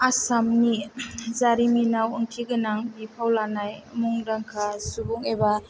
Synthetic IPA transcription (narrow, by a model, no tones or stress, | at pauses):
asamnizaɾiminawɯŋtʰiɡɯnaŋbipʰawlanajmuŋdaŋkʰasubuŋeba